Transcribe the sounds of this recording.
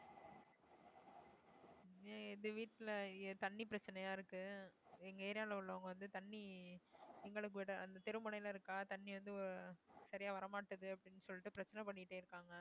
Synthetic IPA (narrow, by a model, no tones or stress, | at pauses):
ɛðɯʋiːʈːɪlt̪ɐɳːipɪɾɐt͡ʃːɐnɐjaːɪɾɯkːɯɛŋɡɐeːɾɪjaːlɐʊɭːɐːɐŋɡɐʋɐnd̪ɯt̪ɐɳːi | nɪŋɡɐɭɯk̬ːɯʋɪɽɐɐnd̪ɐt̪ɛɾɯmɯɳɐɪlɐɪɾɯkːaːt̪ɐɳːiʋɐnd̪ɯɔɾɾɯsɐɾɪjaːʋɐɾɐmaːʈːɐðɯɐpːɐɽɪnːɯsɔlːɪʈːɯpɪɾɐt͡ʃːɐnɐpɐɳːɪkːɪʈːeːɪɾɯkːaːŋɡɐ